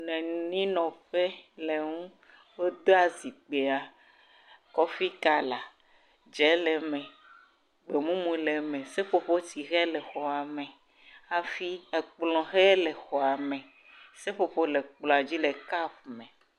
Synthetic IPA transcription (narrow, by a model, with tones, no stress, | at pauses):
nɛ̃˨n˨nĩ˦nɔ̃˨ɸe˦le˨ŋũ˦ | wo˦d̪o˦a˨zi˨k͡pe˨a˨ | kɔ˦fi˦ka˨la˨ | d͡ʒɛ˨˦lɛ˨mɛ̃˨ | ɡ͡be˨mũ˦mũ˨˦lɛ˨mɛ̃˨se˦ɸo˦ɸo˦ti˨ɣɛ˦lɛ˨xɔ˨a˨mɛ̃˨ | a˦fi˦ɛ˨k͡plɔ̃˨ɣɛ˦lɛ˨xɔ˨a˨mɛ̃˨ | se˦ɸo˦ɸo˦lɛ˨k͡plɔ̃˨a˨d͡ʑi˦lɛ˨ka˦ɸmɛ̃˨